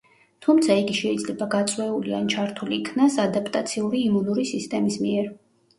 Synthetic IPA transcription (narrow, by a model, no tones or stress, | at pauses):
t̪ʰumt̪sʰaiɡiʃɛid̪zlɛbaɡat̪sʼwɛuliant͡ʃʰaɾt̪ʰuliːkʰnasad̪apʼt̪ʼat̪sʰiuɾiːmunuɾisist̪ʼɛmismiɛɾ